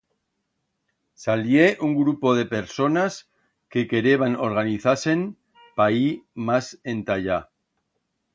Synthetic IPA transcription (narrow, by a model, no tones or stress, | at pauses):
saljeʔuŋɡɾupo̞ð̞e̞pe̞ɾso̞nas | ke̞ke̞ɾeβano̞̰ɾɣaniθase̞n | paimase̞nt̪aʎa